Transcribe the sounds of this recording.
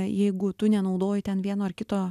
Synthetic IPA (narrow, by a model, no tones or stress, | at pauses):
jɛɪɡʊt̪ʊnʲɛnɐʊd̪oːjɪt̪ʲɛnʋʲiɛnoːɐrkʲɪt̪oː